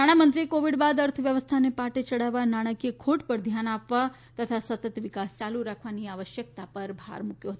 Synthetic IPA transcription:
naɽ̃amənt̪ɾiekoʋiɽbad̪əɾt̪ʰəʋjəʋəst̪ʰanepaʈet͡ʃəɽaʋːanaɽ̃əkijekʰoʈpəɾd̪ʱjanapʋa | t̪ət̪ʰasət̪ət̪ʋɪkast͡ʃaluɾakʰʋaniaʋəʃjək̚t̪apəɾbʱa̰ɾmukjoɦət̪oo

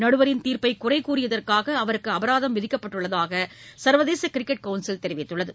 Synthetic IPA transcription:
nɐɽɯʋɐɾɪnt̪iːɾpɐɪkʊrɐɪkːuːrɪjɐðɐrkaːɣɐːʋɐɾɯkːɯɐbɐɾaːðɐmʋɪðɪkːɐpːɐʈːɯɭːɐðaːɣɐsɐɾʋɐðeːsɐkɪɾɪkːɛʈ̚kɐʊnsɪlt̪ɛɾɪʋɪt̪ːɯɭːɐðɯ

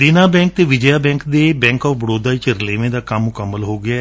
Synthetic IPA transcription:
d̪ɪnaːbɛ̃ːŋk̚t̪eːʋɪd͡ʒəjaːbɛ̃ːŋkd̪eːbɛ̃ːŋkɔːfbəɽoːd̪aːɪt͡ʃɾleːʋẽːd̪aːkəmːʊkəmːəlɦoːɡɪjaː

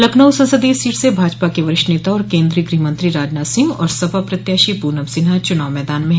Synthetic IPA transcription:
lɐknəwsɐ̃nsəd̪isiːʈsebʱaːd͡ʒpakeʋɐɾɪʃʈneːt̪aɔːɾkẽːnd̪ɾiːɡɾiːmə̃nt̪ɾiɾaːd͡ʒnasɪ̃ŋɡɔ̰ːɾsɐbʱapɾɐt̪jaːʃipuːɾnɐʋsɪnat͡ʃʊnaːʋmɛːd̪aːnmẽ

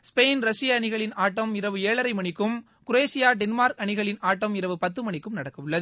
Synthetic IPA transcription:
speːnɾɐsɪjɐːɳɪɣɐɭɪnaːʈːɐmɪɾɐʋɯeːɭɐɾɐɪmɐɳɪkːɯm | kʊɾeːsɪjaːɖɛnmaːɾkɐɳɪɣɐɭɪnaːʈːɐmɪɾɐʋɯpɐt̪ːɯmɐɳɪkːɯmnɐɽɐkːɐʋɯɭːɐð

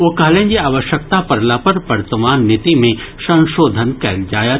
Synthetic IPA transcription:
ʋokɐɦlẽːnd͡ʒiaːʋəʃjək̚t̪apɐɾlapɐɾʋɐɾt̪əmaːnːɪt̪imẽʃɐ̃nʃoːd̪ʱənkɛld͡ʒaːja

